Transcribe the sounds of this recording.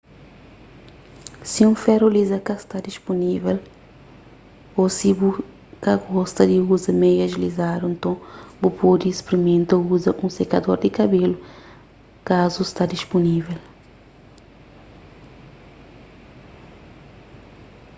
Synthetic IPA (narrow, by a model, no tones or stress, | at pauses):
siũfɛɾolizɐkɐst̪ad̪iʃpunivɛl | osibu | kɐɡɔst̪ɐd̪iuzɐmejɐʒlizaɾuẽnt̪õbupod̪iːspɾimẽnt̪ɐuzɐʔũsekɐd̪oɾd̪ɪkɐbelʊ | kazust̪ad̪iʃpunivɛl